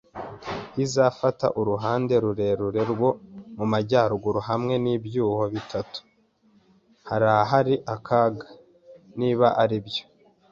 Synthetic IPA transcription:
hizafata̰ʔuɾuɦaːnde̞ɾuɾe̞ɾuɾe̞ɾɡwo̞mumaɟaːɾuɡuɾuɦamŋe̞nibjuːho̞βitʰatu̥ | haɾahaɦaɾiʔakʰaɡa | niːβaʔaɾibjo̥

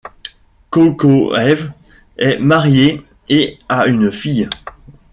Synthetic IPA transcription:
kokoɛv | ɛmaʁje | eaynfij

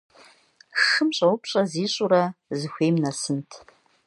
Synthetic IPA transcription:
xɨmɕʼɐwʊpʰɕʼɐziːɕʼuɾɐzɨxʷeːjmnɐsɨntʰ

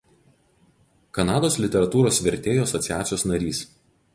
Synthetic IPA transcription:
kɐnɑːd̪oːslʲɪt̪ʲɛɾɐt̪uːɾoːsʋʲɛɾʲt̪ʲeːjoːɐsɔt̪sʲɪjæːt̪sʲɪjoːsnɐɾʲiːs

